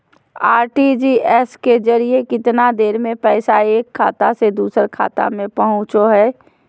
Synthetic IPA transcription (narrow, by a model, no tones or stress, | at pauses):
aːɾʈid͡ʒiːʔɛːskezɐɾiekɪt̪nad̪eːɾmẽpɛːsaeːkʰːa̰ːt̪ased̪uːsəɾkʰa̰ːt̪a̰mẽpɐɦʊ̃t͡ʃoɦɛː